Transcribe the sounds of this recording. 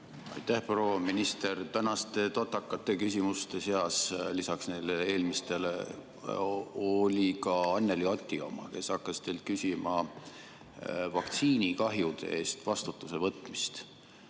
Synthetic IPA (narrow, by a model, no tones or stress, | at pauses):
ɑ̰jt̪ːæhpro̞ːɑminist̪e̞rt̪ænɑst̪e̞t̪ot̪ːˑɑkːɑt̪ːˑe̞kys̬ʲimust̪e̞se̞ɑslisɑksnejlee̞ːlmist̪e̞le | olʲikɑɑnːeliot̪ʲːˑio̞̰mɑ̰ke̞sɑkːɑst̪e̞jlt̪̚kysʲimɑ | vɑkt̪siːnikɑɦjud̪̥ḛeːst̪vɑst̪ut̪ːˑuse̞vɤt̪ːˑmist̪